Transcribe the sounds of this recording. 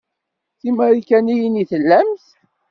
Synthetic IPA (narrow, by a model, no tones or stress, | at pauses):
θiməɾikænijiniθəlːæmθ